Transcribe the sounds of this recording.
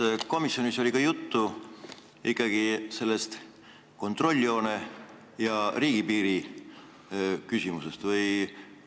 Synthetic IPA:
ko̞misjoniso̞lʲikɑjut̪ːu | ikːɑɡ̥ise̞lːest̪ | ko̞nt̪ro̞lʲːio̞ːne̞ | jɑriːɡipiːɾi | kysʲimuse̞st̪vɯj

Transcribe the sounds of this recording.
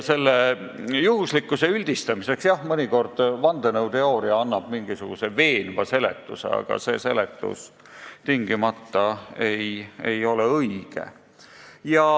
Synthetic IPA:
se̞lːejuɦuslikːˑuse̞ylʲd̪̥ist̪ɑmise̞ksjɑhmɤnʲiko̞rd̪̥vɑnd̪enɤwt̪e̞o̞ːɾiɑɑnːɑb̥miŋɡ̥isuɡ̥use̞ve̞ːnvɑse̞lḛt̪ːˑusḛɑ̰ɡ̥ɑ̰se̞̰ːse̞let̪ːˑṵs | t̪iŋɡimɑt̪ːɑe̞je̞jo̞leɤiɡ̥ḛ | jɑ

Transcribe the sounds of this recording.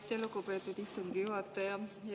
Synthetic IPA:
t̪elokopet̪ːut̪ist̪uŋkijuɑt̪ːɑjɑj

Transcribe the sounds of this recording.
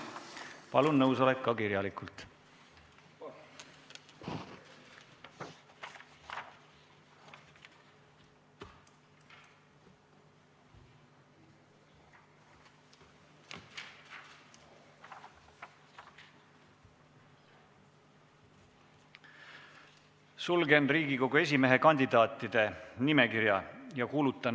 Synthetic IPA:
pɑlunnɤwsɑlekːɑkiɾjɑlikult̪ | sulɡe̞nriːɡiko̞ɡue̞s̬ʲime̞ɦe̞kɑnʲd̪id̪̥ɑːt̪ːˑid̪̥e̞nime̞kiɾjɑ̰jɑkuːlut̪ːˑɑn

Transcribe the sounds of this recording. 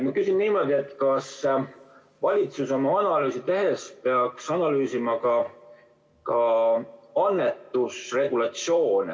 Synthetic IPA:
mɑkysinniːmo̞d̪̥ʲie̞t̪kɑs | vɑlʲit̪suso̞mɑɑnɑlyːsit̪e̞ɦe̞spe̞ɑksɑnɑlyːsimɑkɑ | kɑ | ɑnːe̞t̪ːˑusre̞ɡ̥ulɑt̪sjo̞ːn

